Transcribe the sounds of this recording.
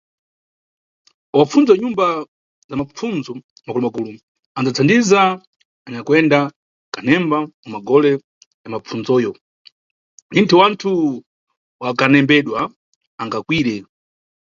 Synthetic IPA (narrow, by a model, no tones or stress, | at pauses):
wap͡funzaɲumba | zamap͡funzɔ | makulumakuːlu | and͡zat͡sʰandiza | aɲakwɛnda | kanɛmbamamaɡɔlɛ | jamap͡fʰund͡zɔːjɔ | nintʰuwantʰu | wakanɛmbɛɗwa | aŋɡakwiːɾɛ